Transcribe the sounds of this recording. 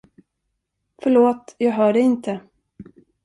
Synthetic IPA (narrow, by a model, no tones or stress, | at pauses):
fœɭoːt̪jɑːɡɦœːɖɛɪnt̪ʰə